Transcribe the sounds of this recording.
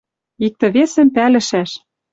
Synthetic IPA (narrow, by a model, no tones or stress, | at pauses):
ik̚t̪ɤ̆βesɘ̆mpælɘ̆ʃæʃ